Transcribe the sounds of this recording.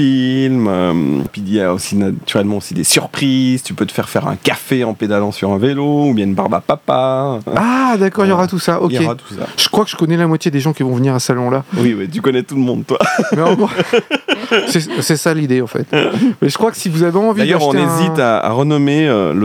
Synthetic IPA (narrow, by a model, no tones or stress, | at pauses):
ilmømpɥijaosinat̪yʁɛlmɑ̃osid̪esyʁpχizt̪ypøt̪ə̥fɛʁfɛʁɛ̰̃kafeɑ̃ped̪alɑ̃syʁɛ̃veloubjɛ̃ynbaʁba̰papaad̪akɔʁiljɔʁat̪usaʔɔeat̪u̥sa̰ʒ̥əkχwakəʒ̥əkɔnɛlamwat̪jed̪eʒɑ̃kʲivɔ̃vəniʁasalɔ̃lawiwit̪̬ykɔnɛt̪ulmɔ̃d̪̚t̪wamɛɑ̃ɡ | sɛsɛsalid̪eɑ̃fɛ̰t̪mɛʒəkχwakə̥sivuzaveɑ̃vidajd̪œʁɔ̃enezĩt̪aa̰ʁənɔmeølə